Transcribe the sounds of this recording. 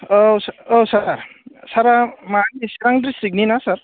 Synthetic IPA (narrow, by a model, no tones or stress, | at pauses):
ososaɾsaɾamanisaɾaŋdɾisik̚ninasaɾ